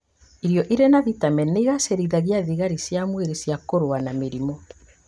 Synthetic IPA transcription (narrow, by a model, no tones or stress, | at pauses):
iɾjɔʔiɾenaðitamɛneɣaseɾiðaɣiaðiɣaɾisjamweɾesjakoɾowanameɾimɔ